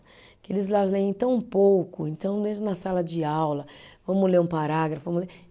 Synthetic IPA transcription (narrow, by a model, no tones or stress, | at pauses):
kɪelɪzlazlẽẽj̃t̪ɐ̃w̃powkʊẽnt̪ɐ̃w̃d̪ezʊnɐsalɐd͡ʒɪawlɐvɐ̃mʊleɾũpaɾaɡɾɐfʊvɐ̃mʊle